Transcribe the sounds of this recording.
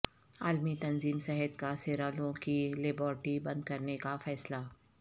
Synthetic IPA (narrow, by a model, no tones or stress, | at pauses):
aːlmit̪ɐnziːmsɛɦət̪kaseːɾaːlõkileːbɔːɾʈibɐ̃nd̪̚kɐɾnekafɛːsla